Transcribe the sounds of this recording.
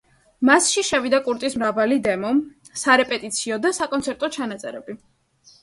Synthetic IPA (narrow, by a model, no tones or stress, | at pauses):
masʃiʃɛvid̪akʼuɾt̪ʼismɾavalid̪ɛmɔ | saɾɛpʼɛt̪ʼit̪sʰiɔd̪asakʼɔnt̪sʰɛɾt̪ʼɔt͡ʃʰanat̪sʼɛɾɛbi